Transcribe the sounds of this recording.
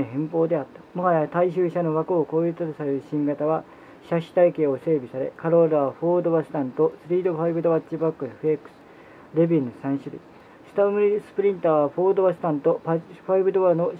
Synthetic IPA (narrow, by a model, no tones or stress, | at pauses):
oɦẽ̞mpo̞ːd̪e̞at̪ːḁmoɦajat̪aiɕɨːɕano̞βakɯːko̞ːit̪at̪osaɾeɾɯ̟ɕĩŋɡat̪aβa | ɕaɕi̥t̪aike̞ːo̞se̞ːbʲisaɾe̞̰kaɾo̞ɾaβaɸo̞ːd̪o̞βasɨ̥t̪ãnt̪o̞sɨɾʲiːd̪o̞ɸaibɯ̟d̪oβat͡ɕːibakːɯɸɯ̟ekːɯ̟̥sɨ̥ | ɾe̞bʲĩnosãɰ̃ɕɨɾɯ̰i | sɨ̥t̪amɯɾisɨ̥pɯ̟ɾʲĩnt̪aːβaɸo̞ːd̪oβasɨ̥t̪ãnt̪o̞ɸaibɯ̟d̪oβano̞